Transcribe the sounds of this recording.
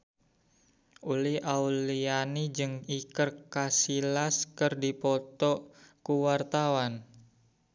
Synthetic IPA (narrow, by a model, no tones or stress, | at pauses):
uliʔaulianid͡ʒɨŋikərkasilaskɨrdipɔt̪ɔkuwart̪awan